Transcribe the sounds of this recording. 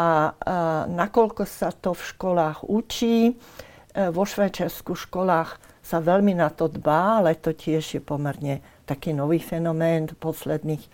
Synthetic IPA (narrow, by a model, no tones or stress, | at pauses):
a | nakɔlkɔsat̪ɔfʃkɔlaːxut͡ʃiː | ʋɔʃʋajt͡ʃaɾskuʃkɔlaːx | saʋɛlminat̪ɔd̪baːalɛt̪ɔcɪɛʒjɛpɔmɛɾɲɛt̪akiːnɔʋiːfɛnɔmɛːnpɔslɛd̪niːx